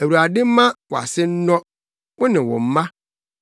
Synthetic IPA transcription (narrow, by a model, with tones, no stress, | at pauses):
æ˨wu˨ɾa˨dɪ˦mã˦wɔ˨a̰˨sɪ˦n̩˦nɔ̃˦ | wʊ˦nɪ̃˨wɔ̰˨m̩˦mã˦